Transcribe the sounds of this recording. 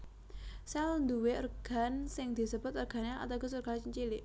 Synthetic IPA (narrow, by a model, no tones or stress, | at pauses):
sɛlnd̪uweərɡ̥a̤nsɪŋd̪̥i̤səb̥ʊ̤t̪ərɡ̥a̤nea̰t̪aɡ̥ɔ̤surɡ̥alt͡ʃəɲt͡ʃilɪʔ